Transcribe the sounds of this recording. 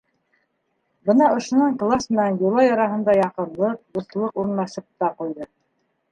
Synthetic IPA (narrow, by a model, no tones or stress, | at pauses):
bɤnɑŏʃŏnɑɴklˠasmɘ̆nænjulˠɑjɑɾɑɦɤ̆nd̪ɑjɑqɤ̆nlˠɤq̚d̪uθlˠɤquɾnɑʃɤp̚t̪ɑqujðɤ